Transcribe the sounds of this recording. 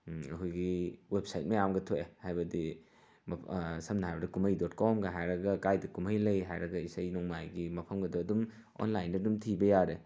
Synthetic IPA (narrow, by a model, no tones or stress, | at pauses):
ɐkʰujɡiwep̚sajt̚mɐjamɡɐtʰoehajbɐdi | mɐsɐmnɐɦajbɐdɐkumɐjdɔtkɔmɡɐɦajɾɐɡɐkajdɐkumɐjlɐjɦajɾɐɡɐisajnɔŋmajɡimɐpʰɐmɡɐdɔɐdum | o̰nlajndɐdumtʰibɐjaɾe